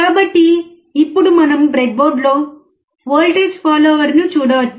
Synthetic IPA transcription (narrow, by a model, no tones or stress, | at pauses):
kaːbɐʈːiː | pːuɽumɐnɐmbɾek̚boːɾɖlo̞ː | ʋoːlʈeːd͡ʒpaːloːʋɐɾnut͡ʃuːɽɐʋɐt͡ʃː